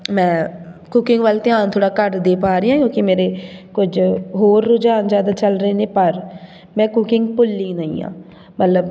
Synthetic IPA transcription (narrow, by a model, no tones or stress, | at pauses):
mɛ̃ːkʊkɪŋɡʋəlt̪ɪãːnt̪ʰoːɽaːkəɾd̪eːpaːɾɪjãːkjõːkɪmeːɾeːkʊd͡ʒɦoːɾːʊd͡ʒaːnd͡ʒjaːd̪aːt͡ʃəlɾəeːneːpəɾ | mɛ̃ːkʊkɪŋɡ̚pʊlːiːnəḭ̃ːã̰ː | mət̪ləb